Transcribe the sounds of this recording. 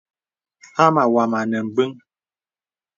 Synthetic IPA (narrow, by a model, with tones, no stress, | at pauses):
ha˦ma˨wa˨ma˨nɛ˨m̩˨bɨ˦ŋ